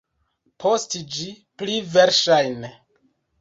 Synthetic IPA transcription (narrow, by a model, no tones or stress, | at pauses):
pʰostid͡ʒi | pliveɾʃajn